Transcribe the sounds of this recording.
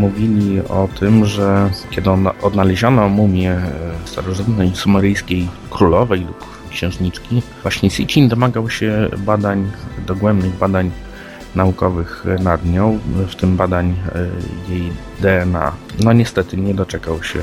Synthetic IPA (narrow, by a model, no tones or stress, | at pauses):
muvʲilʲiɔt̪ʰɘmʐɛkʲjɛd̪ɪɔnɔd̪nalɛʑɔnɔmumʲjɛst̪aɾɔʐɨt̪nɛjsumaɾɘjskʲejkɾulɔvɛjlup | kɕɛ̃w̃ʐɲit͡ʂkʲivwaɕɲɛsʲit͡ɕind̪ɔmaɡawɕɛbad̪aɲd̪ɔɡwɛmbnɘɣbad̪aɲ | naukɔvɘxnad̪ɲɔ̃wft̪ɘmbad̪aɲ | jej | d̪ɛɛna̰nɔɲɛst̪ɛt̪ɘɲɛd̪ɔt͡ʂɛkawɕɛ̰